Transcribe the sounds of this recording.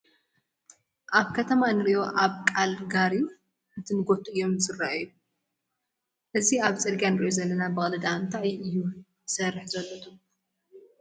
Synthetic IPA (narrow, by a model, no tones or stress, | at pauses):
ʔaβkʰɐt̪ʰɐmanɨɾiʔo̞ʔaβkʼalɡaɾi | ɨt̪ʰɨnɨɡo̞t̪ʰuʔɨjːo̞mzɨraʔju | ʔɨziaβt͡sʼɨɾɡijanɨɾiʔozɐlːɐnabɨxʼɐlɐd̪ant̪ʰaʔɨjːu | sɐrːɨħzɐlːot̪ʰu